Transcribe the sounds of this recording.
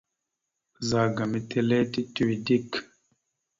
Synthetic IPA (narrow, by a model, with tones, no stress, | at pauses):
za˨ɡa˨mi˦tʰe˦le˦ti˦tu˨wi˨di˦k